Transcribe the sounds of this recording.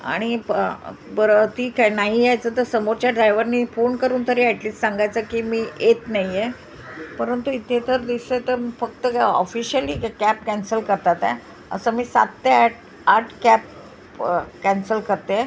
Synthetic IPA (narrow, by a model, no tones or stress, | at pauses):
a̰ɽ̃i | bəɾət̪iːknaɦijajt͡səːt̪əɾsəmoɾt͡ɕjaɖɾajʋəɾniːfonkəɾuːnt̪əɾeːɛʈliːsʈsaŋɡajt͡səkiːmiːet̪naɦije | pəɾənt̪uit̪ʰet̪əɾd̪iset̪əɾfək̚t̪əɔ̰fiɕiəliːkæp̚kɛ̃nsəlkəɾt̪at̪ḛ | ə̰səmiːsa̰t̪ːeʈ | aʈʰkæp̚ | kɛnsəlkəɾt̪e